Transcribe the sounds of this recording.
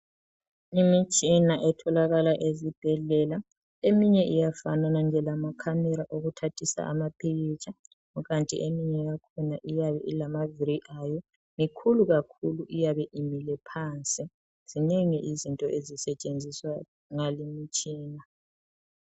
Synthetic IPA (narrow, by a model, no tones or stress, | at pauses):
imit͡ʃʼinaʔɛtʰɔlaɣalaʔezib̥ʱɛɮɛla | emiɲɛʔijafananand͡ʒʱɛlamakʰamɛɾaʔoɣutʰatʰisa̰ʔa̰mapʰiɣit͡ʃʼʰa | uɣantʼḭʔemiɲɛɣakʰɔnaʔijaβɛʔilamaviɾiʔajɔ | mikʰuluɣakʰuluʔijaβɛʔimilɛpʰaːnt͡sʼi | z̥ineŋiʔizintʼɔʔezisɛt͡ʃʼend͡zʱiswa | ŋalimit͡ʃʼiːna